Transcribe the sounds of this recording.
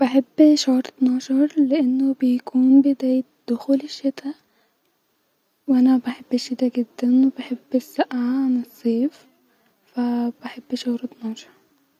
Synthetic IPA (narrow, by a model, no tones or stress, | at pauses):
b̥aħɪbːʃʊhɾˤt̪nɑːʃɑɾˤlɪʔɪnːʊbɪjkʰuːnbɪd̪aːjɪt̪d̪̥ʊxuːlɪʃːɪt̪a | wʔanabaħɪbːɪʃːɪt̪aɡɪd̪ːanwɪbaħɪbːɪsːaʔʕaʕanɪsˤːeːf | fabaħɪbːʃʊhɾt̪nɑːʃɑ̥ɾˤ